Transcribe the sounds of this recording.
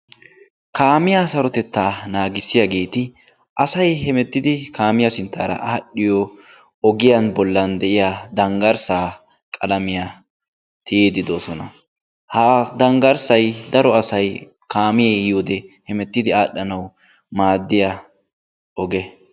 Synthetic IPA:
kaːmɪjasɐɾɔt̪ɛt̪ːaːnaːɡɪsːɪjaɡe̞ːt̪ɪ | ʔɐsɐjhɛmɛt̪ːɪd̪ɪkaːmɪjɐsɪnt̪ːa̰ːɾɐ̰ʔːɗːɪjɔ | ɔɡɪjɐnbɔlːɐnd̪ɛʔɪjaːd̪ɐŋɡɐɾsaː | kʼɐlɐmɪja | t̪ɪjeːd̪ɪd̪oːsɔnɐ | haːd̪ɐŋɡɐɾsɐjd̪ɐɾɔɐsɐj | kaːmɪjejoːd̪ɛhɛmɛt̪ːɪd̪ɪaːɗɐnɐw | maːd̪ːɪja | ɔɡɛ

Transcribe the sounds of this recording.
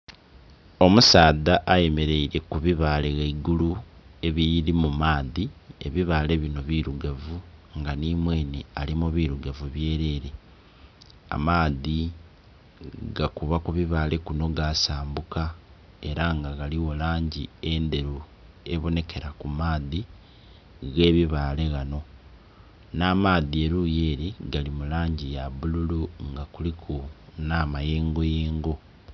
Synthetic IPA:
o̞musaːðaʔːje̞me̞ɾe̞iɾe̞kuβiβaleɣeiɡulue̞βiɾimumaːðie̞̰βiβaːle̞βino̞βiːɾuɡavuŋɡanimwe̞ːnealimuβiɾuɡavuβje̞ːɾe̞ɾe̞ | a̰maːði | ɡakuβakuβiβale̞kuno̞ɡasaːmbuka | e̞ɾaŋɡaɡaliwo̞laːɲɟiende̞ɾu | e̞βo̞ne̞ke̞ɾakumaːði | ɣe̞ːβiβaːle̞ɣano̞ | naːmaːðieɾuje̞ːɾiɡalimulaːɲɟijaβululuŋɡakulikʰunamaje̞ːŋɡo̞jeːŋɡo̞

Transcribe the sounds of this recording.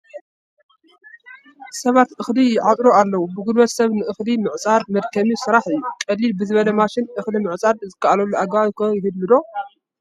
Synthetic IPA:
sɐβat̪ʔɨxlijɪʕat̪ʼɾoalːɐwubɨɡɨlwɐt̪sɐβnɨʔɨxlimɨʕt͡sʼaɾmɐd̪kʰɐmisɨɾaħɨjːukʼɐlːilbɨzɨβɐlɐmaʃɪnʔɨxlimɨʕt͡sʼaɾzɨkːaʔalɐlːuʔaɡakʰojɪhɨd̪mɨd̪o̞

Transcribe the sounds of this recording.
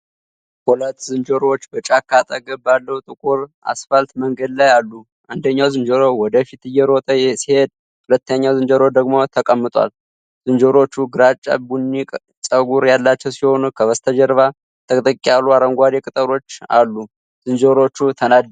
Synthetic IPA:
hulət̪ːzɨnd͡ʒoɾot͡ʃːbət͡ʃʼakʰːat̪ʼəɡəbːalːəhut̪ʼɨkʼuɾa̰sfalt̪məŋɡəd̪lajalːu | ʔand̪əɲːawzɨnd͡ʒoɾowɔd̪əfit̪ɨjːɛɾo̞t̪ʼəsihe̞d̪̚ | hulət̪ːəɲːawzɨnd͡ʒəɾod̪əɡmo̞t̪ʰəkʼəmːɨt̪ʼwa̰l | z̥ɨnd͡ʒoɾo̞t͡ʃːuɡɨɾat͡ʃʼːa̰bunːikʼ | sʼəɡuɾjalːat͡ʃːɛwsiho̞nukʰəβəst̪ʰəd͡ʒəɾβa | t̪ʰəkʼt̪ʼəkʼialːuaɾəŋɡʷad̪ekʼɨt̪ʼəɾo̞t͡ʃːa̰lːu | z̥ɨnd͡ʒoɾo̞t͡ʃːut̪ʰənad̪

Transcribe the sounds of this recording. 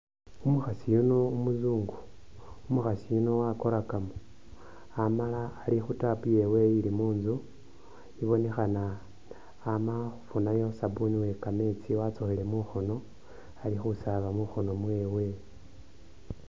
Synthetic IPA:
umuxasijuno̞umuzuːŋɡu | umuxasijuno̞wako̞ɾakamo | amalaːlixutapuje̞we̞ilimuːnzu | iβo̞ne̞xanaː | maxu̥funajo̞sabuniwe̞kame̞t͡siwat͡soxele̞muxo̞no̞ | alixusaβamuxo̞no̞mwe̞ːwe̞

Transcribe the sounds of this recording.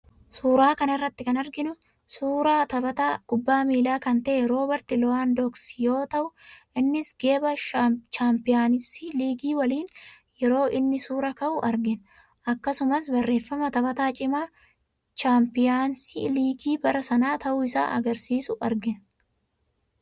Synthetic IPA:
suːɾaːkɐnɪrːɐt̪ːɪkɐnɐɾɡɪnʊ | suːɾaːt̪ɐbɐt̪aːɡ̥ʊbːaːmiːlaːkɐnt̪ɐʔːɾoːbɐɾt̪ɪlɔaːnd̪ɔksjo̞ːt̪ɐʔʊʔɪnːɪsɡ̥e̞ːbɐt͡ʃaːmpɪjaːnɪsiliːɡiːwɐliːn | jɛɾo̞ːʔɪnːɪsuːɾɐkɐʔʊʔɐɾɡɪn | ʔɐkːɐsʊmɐsbɐrːe̞ːfːɐmɐt̪ɐbɐt̪aːt͡ʃʼɪmaː | ʃaːmpɪjaːnsiliːɡiːbɐɾɐsɐnaːt̪ɐʔʊɪsa̰ːʔɐ̰ɡɐɾsiːsʊʔɐɾɡɪn

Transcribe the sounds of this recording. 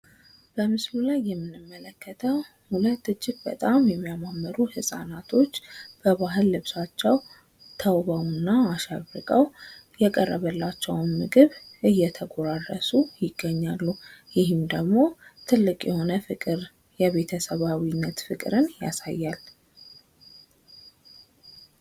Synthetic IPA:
b̥əmɨslulajːɛmːɨnːɨmːələkːət̪ʰəw | hulət̪ːɨd͡ʒːɪɡ̚bə̰t̪ʼamjɛmːijamamːəɾuhɨsʼa̰nat̪ʰo̞t͡ʃːb̥əβaɦɨlːɨβsat͡ʃːɛw | t̪ʰəwβawnːaːʃaβɨkʼəwjɛkʼərːəβəlːat͡ʃːɛwnmɨɡɨβʔɨjːɛt̪ʰəɡoɾarəsujɪɡ̥ːəɲːalːujɪɦɨmd̪əɡmo̞t̪ʰɨlːɨkʼjɛho̞nəfɨkʼɨɾ | jɛβe̞t̪ʰəsəβawinːət̪fɨkʼɾɨnja̰sa̰jːal

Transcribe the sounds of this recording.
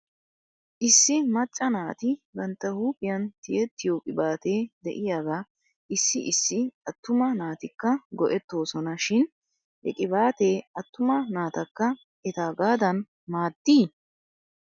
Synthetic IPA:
ʔɪsːɪmɐt͡ʃʼːɐnaːt̪ɪɡɐnt̪ːɐhuːpʼɪjɐnt̪ɪjɛt̪ːɪjoːkʼɪbaːt̪eːd̪ɛ̰ʔɪjaɡaː | ʔɪsːɪʔɪsːɪɐt̪ːʊmɐnaːt̪ɪkːɐɡɔʔɛt̪ːo̞ːsɔnɐʃɪn | hɛ̰kʼɪbaːt̪e̞ːɐt̪ːʊmɐnaːt̪ɐkːɐ | ɛt̪aːɡaːd̪ɐn | maːd̪ːiː

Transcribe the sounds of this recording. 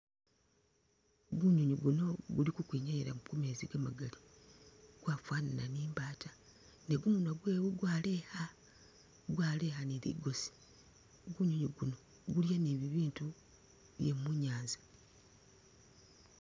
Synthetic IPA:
ɡuɲuɲuɡuno̞ɡulikukwiːɲajeɾamukumeːziɡamaɡali | ɡ̥waːfwaːnananiːmbaːta | ne̞ɡumunaɡweːβuɡwaːle̞ha | ɡwaːle̞haniɾḭɡo̞si̥ | ɡuɲuɲuɡuno | ɡuljaneβiβiːntu | βjemuɲaːnzḁ

